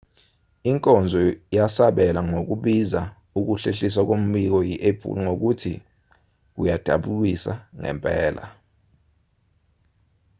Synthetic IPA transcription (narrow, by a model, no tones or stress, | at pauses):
iŋkʼɔnd͡zʱɔjasaɓɛlaŋok̬uɓiza | uk̬uɬeɬis̬wak̬om̩ɓik̬ɔjiʔepʰṵŋok̬utʰi | k̬ṵjad̥ʱa̰ɓulisa̰ŋɛ̰mpʼɛːla̰